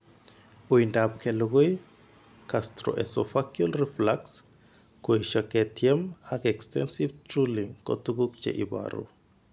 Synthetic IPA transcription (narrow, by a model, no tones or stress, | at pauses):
ujndap̚kʰɛluɡoj | kastɾo̰ʔɛsɔfakjulriflaks | kueʃɔkɛtʰjɛmakɛkstɛ̰nsiftɾuliŋkɔ̰tuɡuk̚t͡ʃɛ̰ʔiba̰ɾṵ